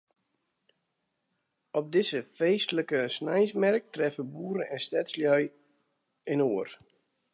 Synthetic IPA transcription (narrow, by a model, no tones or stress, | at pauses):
ɔp̚dɪsəfejstələkəsnajsmɛrk̚trɛfəbuːɾəɛnstɛtsljœj | ɪnoːər